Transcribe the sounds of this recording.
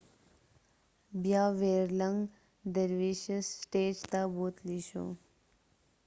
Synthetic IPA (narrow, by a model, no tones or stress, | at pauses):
bjaʋeɾləŋɡ | d̪əɾʋiɕəsʈeːd͡ʒt̪aboːt̪liɕo̰